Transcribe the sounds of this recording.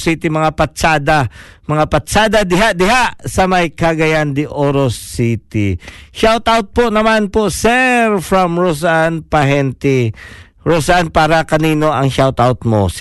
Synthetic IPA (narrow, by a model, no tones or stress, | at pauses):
sit̪imɐŋapɐtt͡ʃaːd̪amɐŋapɐt̪t͡ʃaːd̪ɐd̪ɪɦaʔd̪ɪɦaʔsɐmɐjkɐɡɐjand̪ɪʔoɾosit̪iʃawt̪awt̪̚ponɐmanposɛɾfɾɐmɹos̬anpɐɦɛnt̪i | ɹosanpaːɾɐkɐniːno̞ʔɐŋʃawt̪awt̪̚mo̰s